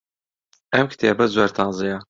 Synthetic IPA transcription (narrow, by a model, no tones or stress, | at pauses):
ɛmkʰɨ̥t̪ʰeːbɛzwɛɾt̪ʰɑːnzijɑ